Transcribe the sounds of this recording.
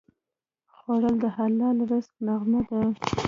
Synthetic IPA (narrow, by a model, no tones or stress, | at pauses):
xwaɽəld̪əɦalːɑlɾəst̪̚naɣmad̪a